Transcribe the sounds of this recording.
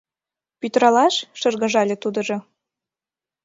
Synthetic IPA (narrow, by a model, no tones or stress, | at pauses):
pyt̪ɾɑlɑʃʃɤ̆rɣə̆ʒɑlʲĕt̪ud̪ə̆ʒo